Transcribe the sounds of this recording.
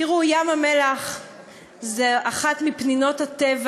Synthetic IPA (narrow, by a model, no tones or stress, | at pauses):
iʁujamamelaχ | zeaχatmipnino̞thatev